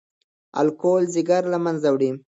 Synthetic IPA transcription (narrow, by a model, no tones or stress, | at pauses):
a̰lkolzɪɡaɾlamanzawɽi